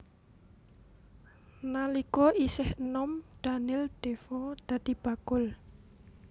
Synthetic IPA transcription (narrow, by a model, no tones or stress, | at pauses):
nalikɔʔisɪhənɔmɖ̪̥anɪld̪̥efɔd̪̥ä̤d̪̥i̤b̥a̤kʊl